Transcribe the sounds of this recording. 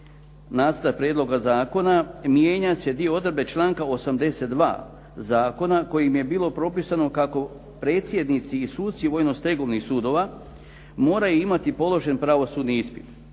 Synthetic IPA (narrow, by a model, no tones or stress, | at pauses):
naːt̪st̪ak̚pɾeːd̪lˠo̞ɡazaːko̞namje̞ːɲase̞d̪ijo̞od̪ɾ̩be̞t͡ʃlˠaːŋkao̞samd̪e̞se̞t̪̚d̪ʋa̰ː | zaːko̞nako̞jimje̞biːlˠo̞pɾo̞pisano̞kako̞ | pɾe̞ːt̪sje̞d̪nit̪siːsuːd̪t̪siʋo̞jno̞st̪e̞ɡo̞ʋnixsuːd̪o̞ʋa | mo̞ːɾajuimat̪ipo̞lo̞ʒe̞npɾaʋo̞sud̪niispi̥t̪